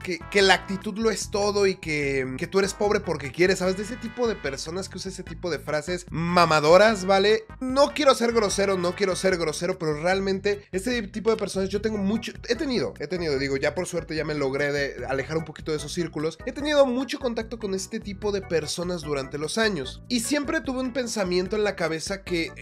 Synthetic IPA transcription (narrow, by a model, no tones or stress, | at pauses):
keke̞laːk̚t̪it̪uðlo̞e̞st̪o̞ðo̞ikeke̞t̪ueɾe̞spo̞β̞ɾe̞po̞ɾke̞kje̞ɾesːaβezðeeset̪ipo̞ð̞e̞pe̞ɾso̞naskeuseeset̪ipo̞ð̞e̞fɾase̞smamaðo̞ɾazβale̞ | no̞kje̞ɾo̞se̞ɾɣɾo̞se̞ɾo̞no̞kje̞ɾo̞se̞ɾɣɾo̞se̞ɾo̞pe̞ɾo̞realmẽnt̪e̞e̞st̪et̪ip̬o̞ð̞epeɾso̞nazʝo̞t̪e̞ŋɡo̞mut͡ʃoe̞t̪e̞nið̞o̞̰e̞t̪e̞niðoðiɣo̞ʝapo̞ɾswe̞ɾt̪eʝame̞lo̞ɣɾe̞ðea̰le̞xaɾumpo̞kit̪oes̬o̞sːiɾkulo̞se̞t̪e̞niðo̞mut͡ʃo̞ko̞nt̪ak̚t̪o̞ko̞ne̞st̪e̞t̪ipo̞ðe̞pe̞ɾso̞nazðuɾant̪e̞lo̞saɲo̞sisje̞mpɾe̞t̪uβe̞umpe̞nsamje̞nt̪oe̞nlakaβe̞sake̞